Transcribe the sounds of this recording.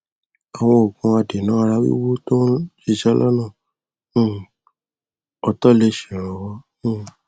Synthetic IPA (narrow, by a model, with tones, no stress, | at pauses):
a˨w̃ɔ̃˧o˨kũ˧a˧de˨nã˨˦˧ɾa˧˦wḭ˦wo˦to˦ʃi˧ʃɛ˦lʔɔ˦nã˦˨˦ | ɔ˧tɔ˦˨le˧ʃĩ˨ɾ̃ɔ̃˨˧wɔ̃˧˦˨